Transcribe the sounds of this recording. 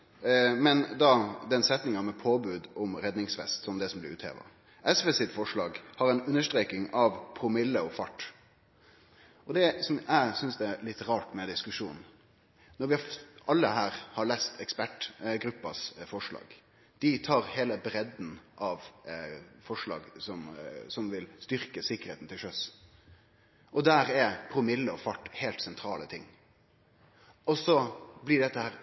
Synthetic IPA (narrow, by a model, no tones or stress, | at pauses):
mɛnd̪ɑd̪ɛnsɛt̪nɪŋɑmɛpʰoːbʉːd̪ɔmɾɛd̪nɪŋsʋɛ̰st̪sɔmd̪ɛsɔmblɪ̰ɾʉ̰ːt̪hḛːʋɑ̰ | ʔɛsʋɛsɪfɔʂɭɑːɡhɑɾɛɪnʉnːəʂt̪ɾeːkɪŋɑʋpʰɾʊmɪlːəɔfɑʈː | ɔd̪ɛsɔmæsʏnsd̪ɛlɪt̪ːɾɑːʈmɛd̪ɪskʉʂuːnn̩ | nɔɾʋɪɑʔɑlːəɦæːɾhɑɭeːst̪ɛkspæʈɡɾʉpːɑ̰sfɔʂlɑ̰ːɡ̥ | d̪̥ɪt̪ʰɑːɾheːləbɾɛd̪n̩ʔɑʋ | fɔʂlɑ̰ːɡsɔmsɔmʋɪlst̪ʏɾkəsɪkːəɾeːt̪n̩t̪ʰɪlʃœs | ʔɔd̪æːɾɛɾpʰɾʊmɪlːəɔfɑʈːhɛːlt̪sɛnt̪ʰɾɑːlət̪ʰɪŋː | ɔsɔblɪɖɛt̪ːəhæːɾ